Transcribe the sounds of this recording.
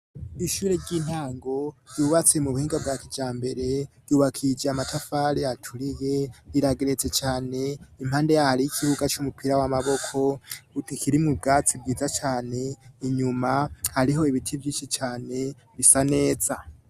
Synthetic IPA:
iʃuːɾeɟiːn̥haːŋɡo̞juːβat͡se̞muβuhiːŋɡabɡakid͡ʒaːmbe̞ɾe̞ɾjuːβakʰid͡ʒaːmatʰafaɾiatʰuɾije̞iɾaɡeɾe̞t͡se̞t͡ʃaːne̞im̥aːnde̞jahaɾijikʰiβuɡat͡ʃumupʰiɾawamaβo̞kʰo̞utikʰiɾimŋub̚ɡaːt͡sib̚ɡiːzat͡ʃaːne̞iɲumahaɾiɦo̞iβitʰivjiːʃit͡ʃaːne̞ | βisane̞ːz̥a

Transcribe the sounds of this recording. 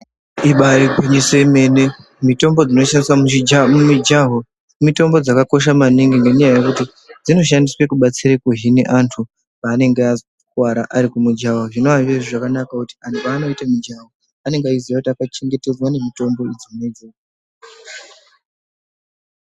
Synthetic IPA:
iɓaɾikwiɲiseme̞ne | mito̞mbo̞d͡zino̞ʃandiswamumid͡ʒaɦo | mito̞mbo̞d͡zakako̞ʃ̬amaniŋɡeŋɡeɲajaje̞kuti | d͡zino̞ʃ̬andiswe̞kuɓat͡siɾekuɦinḛʔantʰu | paːne̞ŋɡea | kwaɾaʔaɾikumud͡ʒaɦaʐino̞aɦiʋeʐoʐakanakakuti̥antupano̞itamid͡ʒaɦo | ane̞ŋɡeaiziakutiakat͡ʃeŋɡe̞te̞d͡zwane̞mito̞mbo̞id͡zimuned͡zoːka

